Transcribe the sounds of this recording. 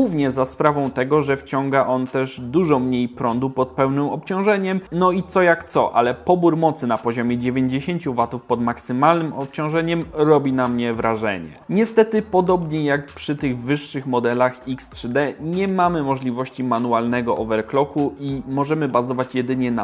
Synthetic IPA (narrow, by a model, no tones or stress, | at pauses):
uvɲɛzaspɾavɔ̃w̃t̪ɛɡɔʐɛft͡ɕɔŋɡaʔɔnt̪ɛʐd̪uʐɔmɲejpɾɔnd̪upɔt̪̚pɛwnɘmɔpt͡ɕɔ̃w̃ʐɛɲɛmnɔit̪sɔjakt̪sɔʔa̰lɛpɔbuɾmɔt̪sɘnapɔʑɔmʲjɛd͡ʑevʲjeɲd͡ʑeɕeɲt͡ɕuvat̪ufpɔd̪maksɘmalnɘmɔp̚t͡ɕɔ̃w̃ʐɛɲɛmɾɔbʲinamɲɛvɾʔaʐɛ̰ɲɛ̰ɲɛst̪ɛt̪ɘpɔd̪ɔbɲɛjakpʂɘt̪ɘɣvɘʂːɘxmɔd̪ɛlaxikst̪ʂɘd̪ɛɲɛmamɘmɔʐlʲivɔɕt͡ɕiman̪ualn̪ɛɡɔʔɔvɛɾklɔkuʔimɔʐɛmɘbazɔvat͡ɕjɛd̪ɘɲɛna